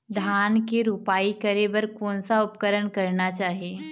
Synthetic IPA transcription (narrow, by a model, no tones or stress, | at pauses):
d̪ʱaːnkeɾupaːikɐɾebəɾkoːnsaʊpkəɾəɳkɐɾnat͡ʃaːɦieː